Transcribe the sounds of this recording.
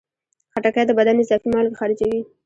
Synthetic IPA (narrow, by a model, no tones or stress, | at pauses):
xaʈakajd̪əbad̪anɪzɑfimɑlkexɑɾɪd͡ʒawi